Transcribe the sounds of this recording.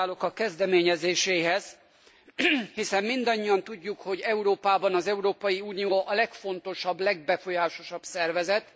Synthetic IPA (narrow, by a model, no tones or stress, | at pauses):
lo̞kɒkɛzd̪ɛmeːɲɛzeːʃeːɦɛz | hisɛmːind̪ɒɲːijɒnt̪uɟːukho̞ɟɛuɾoːpaːbɒnɒzɛuɾoːpɒjiuːnijoːʔɒlɛkfo̞n̪t̪o̞ʃɒbːlɛɡ̚bɛfo̞jaːʃo̞ʃɒbsɛrvɛzɛt̪